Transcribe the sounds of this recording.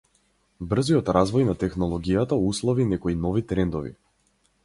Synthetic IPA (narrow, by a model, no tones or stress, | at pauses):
br̩ziɔt̪ɾazvɔjnat̪ɛxnɔlˠɔɡijat̪auslˠɔvinɛkɔinɔvit̪ɾɛnd̪ɔvḭ